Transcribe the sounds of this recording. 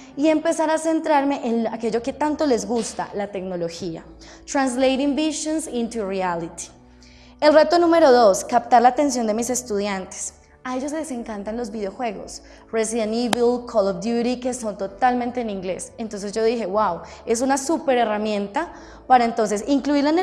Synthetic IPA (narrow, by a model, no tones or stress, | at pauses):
ie̞mpe̞saɾase̞nt̪ɾaɾme̞ʔenake̞d͡ʒo̞ke̞t̪ant̪o̞le̞zɡust̪a̰lat̪e̞kno̞lo̞xia̰ | t̪ɾanslejɾimbisonsĩnt̪urialit̪i̥ | e̞lret̪o̞nũme̞ɾo̞ðo̞skap̚t̪aɾlaːt̪e̞ns̬jo̞nd̪e̞mise̞st̪uðjant̪e̥s | ae̞ʝo̞sese̞ŋkant̪anlo̞zbið̞eo̞xwe̞ɣo̞̰s | res̬iðeniβilkʰolofd̪juɾike̞sont̪o̞t̪almẽnt̪e̞ːniŋɡle̞sent̪o̞ns̬e̞zd͡ʒo̞ðixe̞wawe̞sunasupe̞ɾe̞ramjẽ̞nt̪a | paɾaent̪o̞ns̬e̞siŋkluiɾlaen